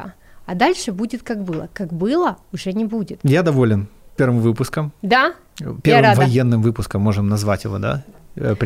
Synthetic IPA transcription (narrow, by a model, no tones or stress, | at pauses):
ɐd̪alʲʂɨbudʲɪt̪kakbɨlˠəkakbɨlˠəʊʐɛnʲɪbudʲɪt̪jad̪ɐvo̞lʲɪnpʲervɨmvɨpʊskəmd̪a | pʲervɨmvɐjenːɨmvɨpʊskəmːo̞ʐɨmnɐzvatʲjɪvo̞̰d̪a̰pɾʲ